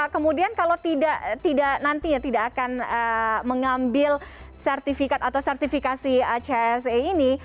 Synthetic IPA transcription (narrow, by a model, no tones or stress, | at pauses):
kəmudiankalawt̪idaʔt̪idaʔnant̪iɲat̪idaʔːkanəməŋambɪl | sɛrt̪ifikat̪at̪awsɛrt̪ifikasiat͡ʃeɛseini